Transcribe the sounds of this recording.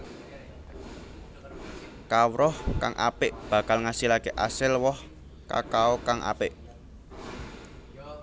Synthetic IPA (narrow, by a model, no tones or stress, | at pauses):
kawɾɔhka̰ŋʔa̰pɪʔb̥ä̤kalŋasilakeʔasɪlwɔh | ka̰kaɔkaŋʔa̰pɪʔ